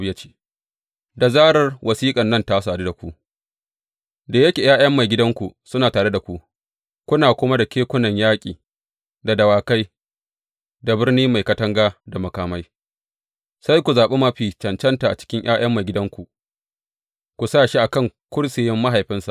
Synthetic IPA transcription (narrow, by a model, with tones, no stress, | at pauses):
jɐ˦t͡ʃi̥ː˦ | da˨zaː˦ɽɐ˨rwʔɐ˨siː˦kʼɐ˨nːɐ˦˨nta˦s̬aː˨du˦da˨kʷu˦ʔ | da˨jɐ˦kʲe˨jaː˦jɐ˦mːa˨jɡʲɪ˦dɐ˦ŋkʷu˨sʊ˦naː˨taː˨ɽe˦da˨kʷu˨ʔ | kʷʊ˦naː˨kʷʊ˦ma˦da˨kʲeː˦kʷʊ˦nɐ˨ɲjaː˦kʲʼḭː˨ | da˨dɐ˨waː˨ka˦j | da˨bɪ˦rniː˦ma˨jkɐ˦tɐ˦ŋɡaː˦da˨mɐ˨kaː˨ma˦j | sa˦jkʷu˨zaː˨ɓe˦mɐ˦ɸiː˨t͡ʃɐ˨nt͡ʃɐ˦nta˨ʔa̰˨t͡ʃɪ̥˦kʲɪ˦ɲʔj̰a̰ː˦j̰ʔɐ˦mːa˨jɡʲɪ˦dɐ˦ŋkʷu˨ | kʷu˨saː˦˨ʃi˦ʔa˨kɐ˦˨ŋkʷʊ˦ɽsɪ˨jɛ˦mːa˦ɦa˨jɸɪ˦nsa˨ʔ